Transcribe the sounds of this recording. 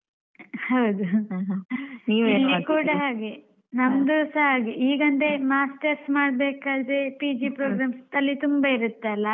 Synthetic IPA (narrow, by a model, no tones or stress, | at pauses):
hɐwd̪uɦniːʋilːikuːɽɐɦaːɡe | nɐmd̪usɐɦaːɡeiːɡɐnd̪emaːsʈɐɾsmaːɽbeːkaːd̪ɾepid͡ʒipɾoːɡɾaːmsd̪ɐlːit̪umbɐiɾut̪ːeɐlːɐ